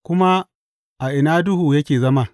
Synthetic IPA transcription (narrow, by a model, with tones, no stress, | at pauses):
kʷʊ˦ma˦ | ʔa˨ʔɪ˨naː˦dʊ˦hu˨jɐ˦kʲeː˨zɐ˦ma˦